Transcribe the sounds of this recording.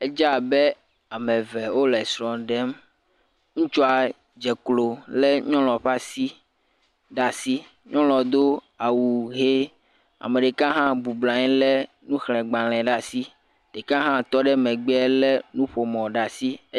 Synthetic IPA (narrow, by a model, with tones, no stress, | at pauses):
e˦d͡ʒa˦˨be˦ | a˨mẽ˨ve˨wo˦lɛ˨sɾɔ̃˨ɖe˦m | ŋũ˦t͡ʃɔ˦a˨ | d͡ʒe˨klo˨le˦ɲɔ̃˦lɔ̃˨ɸa˦si˦ | ɖa˦si˦ | ɲɔ̃˦lɔ̃˨d̪o˦ | a˨wu˨ɦe˦ | a̰˨mẽ˨ɖe˨kã˦ɦã˦bu˨blã˨ɲ̃˦le˦ | nũ˦xlɛ̃˨ɡ͡bã˨l̃ɛ̃˨ɖa˦si˦ | ɖe˨kã˦ɦã˦t̪ɔ˦ɖe˦mẽ˨ɡ͡bɛ˦le˦nũ˦ɸo˨mɔ̃˨ɖa˨si˦